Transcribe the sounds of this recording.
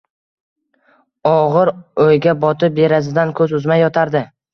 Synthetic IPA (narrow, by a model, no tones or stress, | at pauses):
ɒʁɨɾojɡʲabɒt̪ʰɪe̞ɾasɪd̪ankʰɵzʊzmajɒt̪ʰaɾd̪ɪ